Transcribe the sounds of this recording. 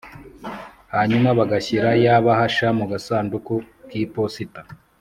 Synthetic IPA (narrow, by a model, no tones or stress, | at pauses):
haɲumaβaɡaçiɾajaβahaʃamuɡasaːnduku | kiːposita